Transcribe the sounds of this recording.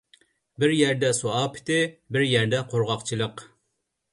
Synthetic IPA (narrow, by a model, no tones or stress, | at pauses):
bɪɾjɛɾd̪ɛsoɑːpʰɪ̥t̪ɪbɪɾjɛɾd̪ɛqʰoɾʁɑqt͡ʃʰilˠəq